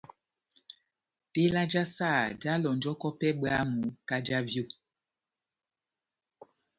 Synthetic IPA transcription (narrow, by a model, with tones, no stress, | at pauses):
te˦la˦d͡ʒa˦sa˦˨da˦lɔ˨nd͡ʒɔ˦kɔ˦pɛ˦ɓa˦mu˨˦ka˦d͡ʒa˦vjo˦˨